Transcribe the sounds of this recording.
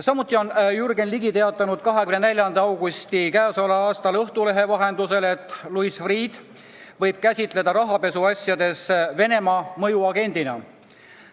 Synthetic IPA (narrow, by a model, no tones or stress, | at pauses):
sɑmut̪ːˑio̞njurɡe̞nliɡit̪e̞ɑt̪ːˑɑnud̪̥kɑɦekymnnelʲjɑnd̪ɑɑwɡust̪ikæːsolɑɑːst̪ɑlɤht̪ule̞ɦe̞vɑɦe̞nd̪̥use̞le̞t̪ːˑluisfriːd̪̥ | vɤ̞jb̥̚kæsʲit̪ˑle̞d̪ɑɾɑɦɑpe̞suɑsʲjɑd̪e̞sve̞ne̞mɑmɤ̞juɑɡe̞nʲd̪̥inɑ̰